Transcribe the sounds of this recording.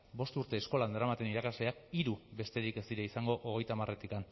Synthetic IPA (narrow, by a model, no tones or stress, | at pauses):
bo̞st̪uɾt̪e̞ːsko̞land̪eɾamat̪e̞niɾakazle̞akiɾube̞st̪e̞ɾike̞st̪iɾeisaŋɡo̞ʔoɣ̞e̞jt̪amare̞t̪ikan